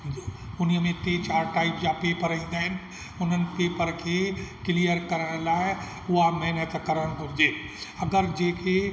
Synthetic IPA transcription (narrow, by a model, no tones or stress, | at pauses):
ʊnijmẽt̪et͡ʃaːɾʈaːɪpd͡ʒapeːpəɾəɦĩnd̪əɦɛn | ʊnənɪ̆peːpəɾkʰekɪlijəɾkəɾɽ̃laːɪ | ʊamɐɦnət̪kəɾəɽ̃ɦud͡ʒe | ɐɡəɾd͡ʒeːkʰe